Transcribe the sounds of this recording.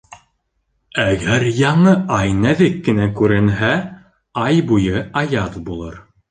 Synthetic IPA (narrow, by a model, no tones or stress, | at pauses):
æɡæɾjɑɴɤʔɑjnæðɘkːɘ̆nækʉɾɘ̆nɦæ | ɑjbujɤɑjɑt̪bulˠɤ̰ɾ